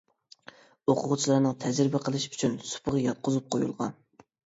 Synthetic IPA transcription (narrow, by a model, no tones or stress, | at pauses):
oqʰʊʁʊt͡ʃʰilˠɑɾnɨŋt̪ʰɛzɾɪbɪqʰəlˠɨʃy̥t͡ʃʰynsu̥pʰəʁɑjɑt̪̚qʰʊzup̚qʰojṵlˠʁɑn